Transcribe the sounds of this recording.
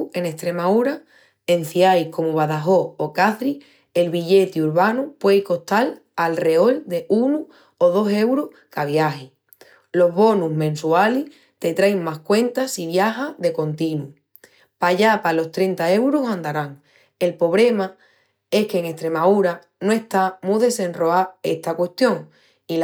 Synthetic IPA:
e̞ŋe̞hst̪ɾe̞mauɾa | e̞n̟θiajko̞moβ̞aðaɦo̞okaθɾi | e̞lβiʎe̞t̪iuɾβanupwe̞jko̞ht̪al | alre̞o̞ld̪e̞ʔunu | oð̞o̞se̞wɾoh | kaβ̞jahi | lo̞ɦβo̞nuɦmẽ̞nsualih | t̪e̞t̪ɾajŋmahkwe̞nt̪asiβjaɦaðe̞ko̞nt̪inu | paʝapalo̞st̪ɾe̞nt̪ae̞wɾosãnd̪aɾaŋ | e̞lpo̞β̞ɾle̞ma | e̞hkeŋe̞st̪ɾe̞mauɾa | noe̞ht̪amũðe̞se̞nro̞ae̞ht̪akwe̞st̪jo̞ŋ | i

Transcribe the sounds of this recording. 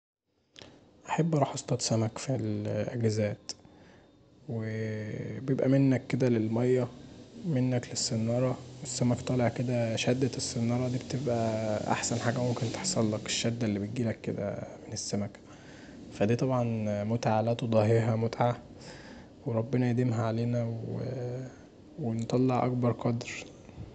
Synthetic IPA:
ʔaħebːʔɑɾˤɑħɑsˤt̪ˤɑt̪sæmækfilʔæ̰ɡæzæːt̪ | we | bejebʔæmenːækːed̪ælelmɑjːæmenːæklesːenːɑːɾˤɑwesːæmækt̪ˤɑːleʕked̪æʃæd̪ːæesːenːɑːɾˤɑd̪iːbet̪ebʔæʔa̰ħsænħaːɡæmomkent̪e̥ħsˤɑlːɑkeʃːæd̪ːelːibet̪̚ɡiːlækːed̪æ̰menesːæmæk | fæd̪iːt̪ˤɑbʕɑnmot̪aʕalæːt̪od̪ˤɑɦeɦæmot̪ʕa | weɾˤɑbːenɑjed̪emɦæʕaleːnæwe | went̪ˤɑlːeʕʔɑ̰kbɑɾˤqɑd̪ɾ

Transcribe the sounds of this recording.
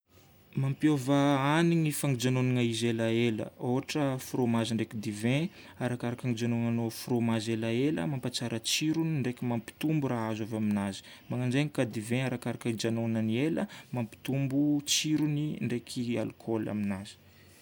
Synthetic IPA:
mampiovəaniŋifaŋid͡ʒanoniŋaizelaelə̰oɦaʈ͡ʂəfɾomaziɳɖ͡ʐekid̪ivẽ | aɾakaɾakaŋid͡ʒanonanofuɾomazelaelə̰mampat͡saɾət͡siɾuniɳɖ͡ʐekʲimampi̥t̪umbuɾaazavaminazi̥maŋaɳɖ͡ʐeɲikad̪ivẽaɾakaɾakaid͡ʒanonanieləmampi̥t̪umbut͡siɾuniɳɖ͡ʐekʰia̰lkʰola̰minazi̥

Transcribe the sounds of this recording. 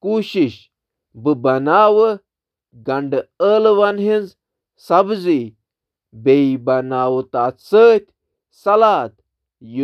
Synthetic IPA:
kuːɕiɕ | bɨbɐnaːʋə | ɡɐɳɖɨəːlʋɐnɦinz | sɐbd͡zi | beibɐnaːwt̪aːt̪səːt̪ʲ | sɐlaːt̪ | ju

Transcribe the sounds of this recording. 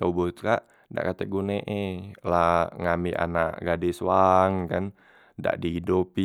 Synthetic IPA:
aubut̪̚kaʔ | da̰ʔkat̪ɛɡuneʔelaŋamiʔa̰naʔɡadɛsuaŋkan | da̰ʔdiɦidupi

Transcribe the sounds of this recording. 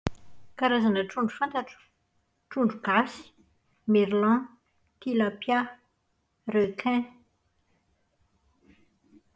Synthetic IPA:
kaɾazanəʈ͡ʂuɳɖ͡ʐufãnt̪aʈ͡ʂu̥ | ʈ͡ʂuɳɖ͡ʐuɡasi̥ | meɾlɑ̃ | t̪ilapja | rekʰɛ̃

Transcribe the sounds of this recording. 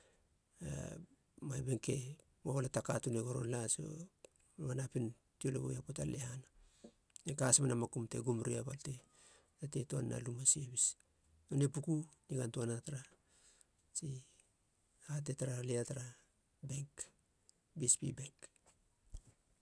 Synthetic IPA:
a̰ | majbe̞ŋke̞ | maβolatakatuneɡo̞ɾo̞̰nlaso̰ | βanapin | tioloβojapotalehana | ekasmanamakumte̞̰ɡumɾiaβalte̞ | ate̞toanːa̰lumasieβis | onepukuniɡantuanataɾa | t͡ʃi | hat̬e̞taɾaliataɾa | be̞ŋk | bispḭbe̞ŋk

